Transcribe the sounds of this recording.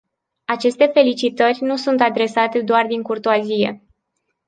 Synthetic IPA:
at͡ʃe̞st̪e̞fe̞lit͡ʃit̪ərʲnusunt̪ad̪ɾe̞sat̪e̞d̪oard̪iŋkurt̪oazije̞̰

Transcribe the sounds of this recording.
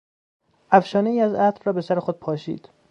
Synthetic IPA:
ʔæfʃɒːneiːæzæt̪ɾɾɒːbe̞sæɾexod̪̥̚pʰɒːʃḭːd̪̥

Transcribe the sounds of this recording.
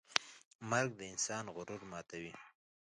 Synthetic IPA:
maɾɡ̚d̪əɪnsɑnɣʊɾʊɾmɑt̪awi

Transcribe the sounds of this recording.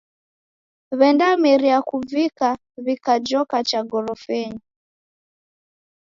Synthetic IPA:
βɛndamiɾiakuvika | βikad͡ʒɔkat͡ʃaɡɔɾɔfɛɲi

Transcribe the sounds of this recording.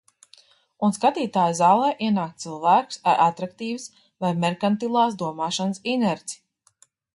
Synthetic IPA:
unskat̪iːt̪aːjzaːlˠɛːʔiɛnaːkt̪t̪silˠvæːku̥saɾʔat̪ɾakt̪iːvɨs | vajmɛɾkant̪ilˠaːsd̪uɔmaːʃansinɛɾsi̥

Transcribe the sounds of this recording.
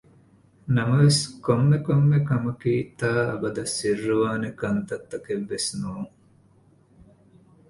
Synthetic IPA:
nɐmɐʋeskomːekomːekɐmɐkiːt̪aːɐ̰bɐd̪ɐsːirːuʋaːnekɐnt̪ɐt̪ːɐkeʋːesnuːŋ

